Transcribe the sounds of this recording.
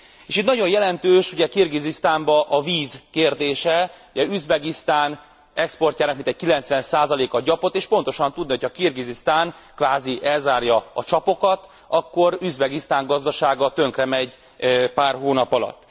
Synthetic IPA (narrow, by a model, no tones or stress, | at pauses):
eːʃit̪nɒɟo̞jjɛlɛnt̪øːʃuɟɛkirɡizist̪aːmbɒʔɒviːzkeːrd̪eːʃɛuɟɛyzbɛɡist̪aːn | ɛkspo̞rcaːnɒk̚mint̪ɛc̚kilɛnt̪sʋɛnsaːzɒleːkɒɟɒpo̞t̪ːeːʃpo̞nt̪o̞ʃɒnt̪ud̪niho̞cʰhɒkirɡizist̪aːn | kʋaːziʔɛlzaːrjɒɒt͡ʃɒpo̞kɒt̪ | ɒkːo̞ɾyzbɛɡist̪aːŋɡɒzd̪ɒʃaːɡɒt̪ø̞ŋkrɛmɛɟ | paːrɦoːnɒpɒlɒ̰t̪ː